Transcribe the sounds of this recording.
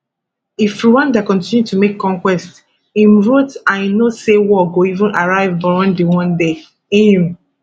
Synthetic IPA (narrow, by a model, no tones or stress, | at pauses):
ifɹiwãndakɔ̃ntĩnjutʰumekʰːɔ̃ŋkwɛst | ĩmɹotãnĩnosewɔɡoivɔ̃nʔaɹaɪvbɔɹɔ̃ndewɔ̃nde | ĩĩ